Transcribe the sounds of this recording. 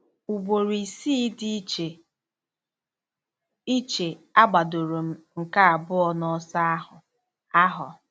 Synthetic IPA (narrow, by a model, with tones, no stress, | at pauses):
u˨bo˨ɾi˨siː˦di˦t͡ʃe˨ | i˦t͡ʃe˨a˦ɡ͡ba˨do˨ɾo˨m̩˨˦ŋ̩˨ka˦a˨bʊ˦ɔ˨nɔ˦sa˦a˦hʊ˨ | a˦ɦʊ˨